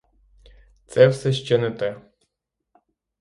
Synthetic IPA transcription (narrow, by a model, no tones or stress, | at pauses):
t̪sɛwsɛʃt͡ʃɛnɛt̪ɛ